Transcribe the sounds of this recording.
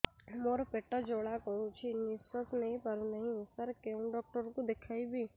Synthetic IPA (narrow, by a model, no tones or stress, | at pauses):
moːɾapeʈːəd͡ʒoːɽakəũt͡ʃʰinisəsnɐɦĩpɐɾnɐɦĩsɐɾkeũɖɔːk̚ʈəɾkod̪ekʰaːibʱiː